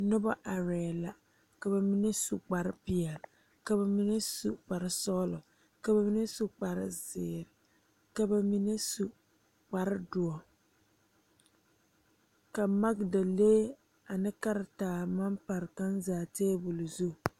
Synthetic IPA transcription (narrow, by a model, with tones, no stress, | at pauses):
nʊ˦ba˦ʔa˨ɾɛː˨la˨ | ka˨ba˨mi˦nɛ˦su˨k͡pa˨ɾɪ˦pɪ˨ɛ˨l | ka˨ba˨mi˦nɛ˦sṵ˨k͡pa˨ɾɪ˦sɔ˦lʊ˨ | ka˨ba˨mi˦nɛ˦su˦k͡pa˨ɾɪ̰˦zɪː˨ɾɪ˨ | ka˨ba˨mi˦nɛ˦su˨ | k͡pa˨ɾɪ˦dʊ˨ɔ˨ | ka˨ma˦ɡda˨leː˦ | a˨nɨ˦ka˦ɾɪ˨taː˨ma˦mpa˨ɾɪ˨ka˦nzaː˨teː˦bu˨lu˨zu˦˨